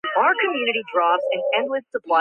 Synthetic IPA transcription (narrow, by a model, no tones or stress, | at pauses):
aʊə˞kʰɨmjʉnɨɾidɹɔbzɨ̃nɛ̃nlɪθsəpʰl̥a